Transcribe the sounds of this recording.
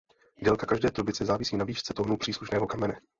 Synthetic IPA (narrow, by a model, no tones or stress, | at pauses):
dɛlkakaʒdɛːt̪ɾobɪt͡sɛzaːvɪsiːnaviːʃt͡sɛt̪oɦnopr̥iːsluʃnɛːɦokamɛnɛ